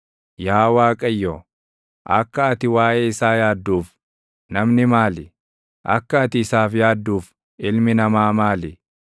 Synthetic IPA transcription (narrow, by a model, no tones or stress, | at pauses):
jaːwaːkʼɐjːo | ʔɐkːɐːt̪ɪwaːʔeːɪsaːjaːd̪ːuːf | nɐmnɪmaːlɪ | ʔɐ̰kːɐːt̪ɪːsaːfjaːd̪ːuːf | ɪlmɪnɐmaːmaːlɪ